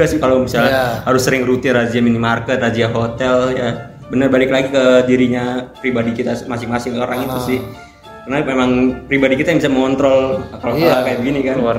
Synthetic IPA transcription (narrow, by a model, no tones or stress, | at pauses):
asɪhkalomisalhaɾʊsːəɾɪŋrut̪ɪnrad͡ʒiaminimarkət̪̚rad͡ʒiaɦot̪ɛlja | bənərbalɪklaɡikədiɾiɲapɾibadikit̪asmasɪŋmasɪŋoɾaŋit̪usɪh | karnamemaŋpɾibadikit̪ajaŋmbisaməŋɔnt̪ɾɔlkalokalakajabəɡinikan